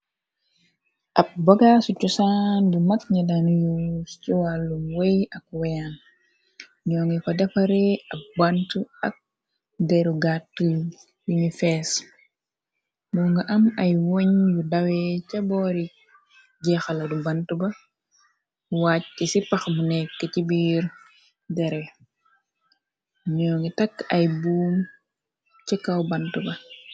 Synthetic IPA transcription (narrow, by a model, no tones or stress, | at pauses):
ʔɐp̚bɔɡaːsucusandimɐkɲɐdanjust͡ʃuwalːumwejɐk̚wɛjan | ɲɔːŋɡɛfɐdɛfɐɾɛɐk̚bantuɐ̰k̚ | dɛɾuɡatːu | juɲifɛːs | mɔŋɡɐʔɐmɐjwɔɲjudawɛcɐbɔːɾi | ɟɛxalɐdubantubɐ | wacːisipɐxmunɛkːɛcibiːɾ | dɛɾɛ | ɲɔːŋɡitɐkːɐjbuːm | t͡ʃɛkːawbantubɐ